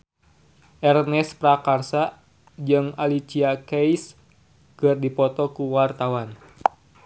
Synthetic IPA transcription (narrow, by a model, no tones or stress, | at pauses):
ʔɛrnɛspɾakarsa | d͡ʒɨŋalit͡ʃiakejs | kɨrdipɔt̪ɔkuwart̪awan